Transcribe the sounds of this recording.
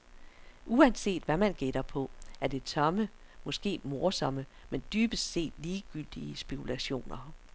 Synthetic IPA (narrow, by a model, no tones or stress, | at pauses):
ʔuænse̝̰ːd̥ʋæmænɡ̥eɾ̥ɐpʰɒ̽æɐd̥e̝t͡sʰɒ̽məmɒ̽sɡ̥e̝̰ːmo̝ɐsɒ̽məmend̥yːb̥əsse̝̰ːd̥liːɡ̥yl̰d̥iəsb̥e̝kʰulæɕo̝̰ːnɐ